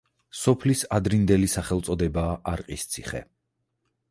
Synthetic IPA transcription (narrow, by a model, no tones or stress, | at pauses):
sɔpʰlisad̪ɾind̪ɛlisaχɛlˠt̪sʼɔd̪ɛbaːʔaɾqʼist̪sʰi̥χɛ̰